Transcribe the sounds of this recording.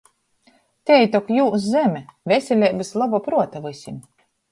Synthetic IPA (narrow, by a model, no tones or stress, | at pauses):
t̪ʲɛjt̪ɔkjuːs̬zɛmʲɛvʲɛsʲɛlʲɛːbezlˠabupɾuɔt̪avɨsʲim